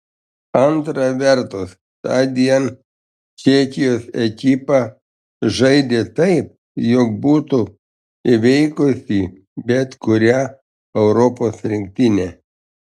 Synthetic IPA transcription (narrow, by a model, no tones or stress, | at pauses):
ɐnt̪ɾɑʋʲɛɾt̪ʊs | t̪ɑːd̪ʲiɛn | t͡ʃʲɛkʲɪjoːsɛkʲɪpɑ | ʒɐɪd̪ʲeːt̪ɐɪp̚ | jɔk̚buːt̪ʊ | ɪʋʲɛɪkʊsʲiː | bʲɛt̪kʊɾʲɛ | ɛʊɾɔpoːsɾʲɪŋʲk̚ʲt̪ʲɪnʲɛ